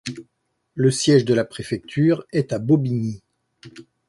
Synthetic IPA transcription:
ləsjɛʒd̪əlapχefɛk̚t̪ʰyːʁɛt̪abobiɲi

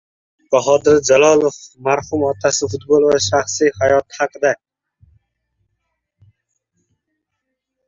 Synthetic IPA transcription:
b̥aɦɒd̪ɪɾd͡ʒalɒlˠofmaɾhʊmɒt̪ʰasɪfʊt̪bolˠvaʃaχsijhajɒt̪haqɨd̪a

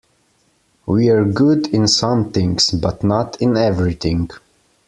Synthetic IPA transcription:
wiə˞ɡʊdɪ̃nsʌ̃mθɪ̃ŋsbʌtnətɪ̃nɛvɹiθɪ̃ŋɡ

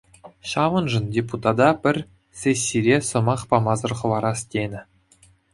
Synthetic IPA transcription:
ɕɑʋɤ̆nʐɤ̆ndʲeput̪ɑd̪ɑpʲɘ̆rʲ | sʲesʲːiɾʲesɤ̆mɑχpɑmɑzɤ̆rχɤ̆ʋɑɾɑstʲenʲɘ̆

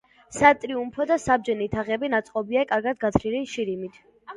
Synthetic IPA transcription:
sat̪ʼɾiumpʰɔd̪asab̚d͡ʒɛnit̪ʰaʁɛbinat̪sʼqʼɔbiakʼaɾɡad̪ɡat̪ʰliliʃiɾimit̪ʰ

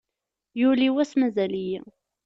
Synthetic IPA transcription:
jʊliwæsmæzæliji

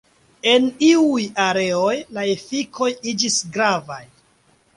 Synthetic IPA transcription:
e̞niujaɾe̞o̞jlaefikʰo̞jid͡ʒisɡɾavaj

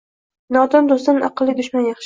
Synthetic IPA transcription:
nɒt̪d̪ɒmd̪ost̪anʔɑ̰qɨlˠːɪd̪ʊʃmanjɑχʃ

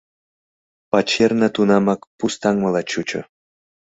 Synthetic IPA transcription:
pɑt͡ɕːernɤ̆t̪unɑmɑkpust̪ɑŋmɤ̆lˠɑt͡ɕut͡ɕɤ̰̆

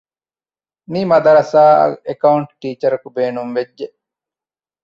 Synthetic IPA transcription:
miːmɐd̪ɐɾɐsaːɐ̰ekɐuɳʈʈiːt͡ʃɐɾɐkubeːnumʋed͡ʒːe

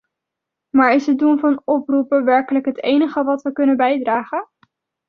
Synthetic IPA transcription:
maːɹɪsɦət̚dunvɑnɔprupəʋɛɹkələkɦətejnəχəʋɑtʋəkɵnəbɛjdraːχə

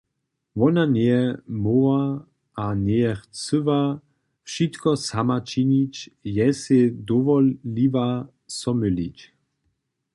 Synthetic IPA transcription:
vɔnanɛɛmɔa | ʔanɛɛχt͡səva | fʃit̪kɔsamat͡ʃinit͡ɕjɛsɛd̪ɔvɔlːiva | sɔmylit͡ɕ

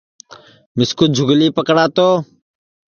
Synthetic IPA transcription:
mɪskʊt̪̚d͡ʒʱʊɡliːpəkɽaːt̪oː

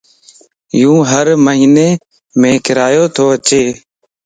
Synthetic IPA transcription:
jũːɦəɾməɦiːneː | mẽːkɪɾaːjoːt̪ʰoːət͡ʃeː

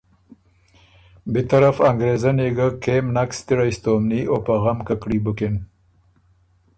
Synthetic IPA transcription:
bet̪aɾafaŋɡɾezaneɡəkemnakst̪iɽajst̪omniopaɣamkakɽibukɪn

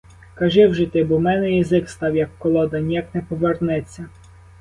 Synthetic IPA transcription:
kɐʒɪwʒɪt̪ɪbumɛnɛjizɪkst̪ɑwjɐkːɔlˠɔd̪ɐnʲijɐknɛpɔʋernɛt͡sʲːɐ

